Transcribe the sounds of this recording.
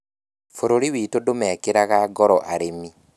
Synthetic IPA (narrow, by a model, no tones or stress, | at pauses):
foɾoɾiwiːtodomɛːkeɾaɣaɡɔɾɔʔaɾemi